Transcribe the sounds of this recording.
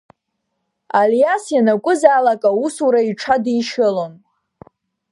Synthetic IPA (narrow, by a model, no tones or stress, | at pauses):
aljasjanakʷʼʊzaːlakʼausuɾaiʈ͡ʂʰadiʃɪlon